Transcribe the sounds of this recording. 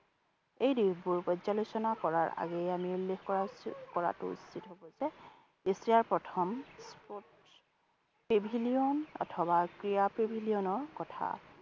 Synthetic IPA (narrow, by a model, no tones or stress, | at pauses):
ejdiɦbuɹpɔzalusɔnakɔɹaɹa̰ɡɛjamiulːexkɔɹakɔɹa̰tʊ̰ṵsitɦobɔsɛ | isɹiaɹpɹɔtʰɔmspot | pebʱiliɔnɔ̰tʰɔbakɹijapɹibʱiliɔnɔɹkɔtʰa̰